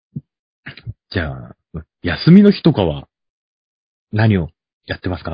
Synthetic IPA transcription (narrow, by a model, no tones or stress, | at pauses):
d͡ʑaː | ɯ̟̃ | jasɨmʲino̞çi̥t̪o̞kaβa̰ | naɲ̟io̞ | jat̪ːe̞masɨ̥ka